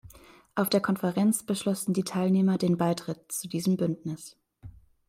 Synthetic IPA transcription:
ʔaʊfd̥eːɐkʰɔnfəʁɛnt͡sb̥əʃlɔsn̩diːtʰaɪlneːmɐdeːnbaɪtʁ̥ɪt̚t͡sudiːzəmbʏndnɪs

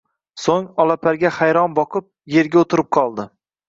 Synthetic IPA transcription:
soŋɒlˠapʰaɾɡʲahajɾɒnbɒqʰɨp̚je̞ɾɡʲaot̪ʰɪɾɪp̚qʰɒlˠd̪ɪ

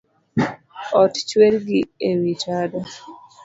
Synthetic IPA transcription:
ɔtt͡ʃwelɡiewit͡ʃada

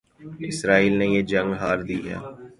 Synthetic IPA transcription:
ɪsɾaːiːlnejeːd͡ʒə̃ŋɡɦaːɾd̪iːɦɛ̰ː

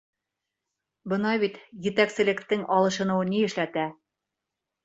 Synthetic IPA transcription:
bɤ̆nɑβit̪jɘ̆t̪æksɘ̆lɘ̆kt̪ɘŋɒlˠɤ̆ʃɤ̆nɤ̆wɤniɘ̆ʃlæt̪æ

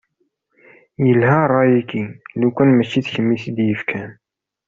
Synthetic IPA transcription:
jəlhærˤːɑjikilukʷænmæʃːiθçəmːisid̪jəfkʰæn

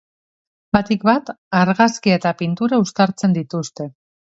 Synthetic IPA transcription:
bat̪ik̚bat̪ | aɾɣaskiet̪apint̪uɾaust̪aɾt͡se̞nd̪it̪ust̪e̞

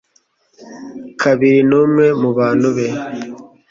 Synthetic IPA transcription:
kʰaβiɾinumŋe̞muβaːnuβe

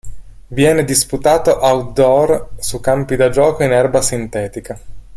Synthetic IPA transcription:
vjɛːned̪isput̪aːt̪oʔawd̪ɔrsukːampid̪ad͡ʒɔːkoinɛrbasint̪ɛːt̪ika

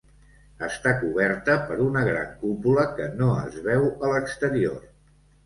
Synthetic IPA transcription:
əst̪akuβɛɾt̪əpəɾunəɣɾa̰ŋkupuləkənoə̰zβɛwələkst̪əɾior

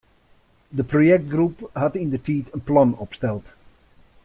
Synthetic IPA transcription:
dəprojɛk̚t̚ɡrupɦɑtindətiːtənplɑnɔpstɛlˠt

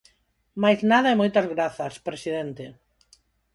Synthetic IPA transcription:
majznaðɐemojt̪ɐzɣɾaθɐspɾesiðent̪e

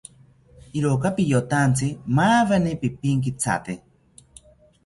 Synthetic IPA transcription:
iɾokapijot̪ant͡simaːβanipipiŋk̬it͡sʰa̰t̪e

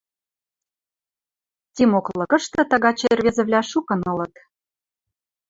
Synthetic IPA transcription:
tʲimoklɤ̆kə̆ʃt̪ɤ̆t̪ɑ̆ɣɑt͡ɕerβʲezə̆βlʲɑʃukə̆nɤ̆lɤ̆t̪

